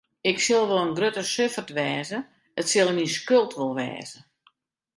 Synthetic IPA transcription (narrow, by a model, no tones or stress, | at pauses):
ɪksɪlˠʋolˠənɡrøtəsøfərtʋɛːzə | ətsɪlˠəniskølˠtʋolˠʋɛ̰ːzə